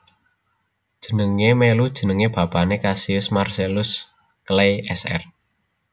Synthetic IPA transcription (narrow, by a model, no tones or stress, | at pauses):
d̥ʒ̥ə̤nəŋemelud̥ʒ̥ə̤nəŋeb̥a̤panekasiʊsmarselʊs | klejɛsɛ̰r